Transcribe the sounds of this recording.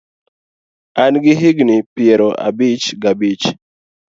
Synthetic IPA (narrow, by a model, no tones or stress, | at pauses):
anɡɪɦiɡnipjɛɾɔʔa̰bit͡ʃɡabit͡ʃ